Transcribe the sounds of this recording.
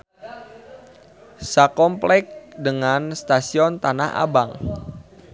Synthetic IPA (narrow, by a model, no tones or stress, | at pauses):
sakɔmplɛk̚dəŋanst̪asiɔnt̪ana̰hʔa̰baŋ